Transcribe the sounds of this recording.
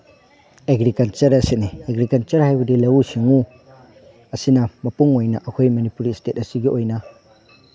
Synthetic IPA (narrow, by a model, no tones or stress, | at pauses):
eɡɾikɐlt͡ʃɐɾɐsinieɡɾikɐlt͡ʃɐɾhajbɐdilɐwusiŋu | ɐsinɐmɐpuŋojnɐʔɐkʰojmɐnipuɾistet̚ɐsiɡiʔojnɐ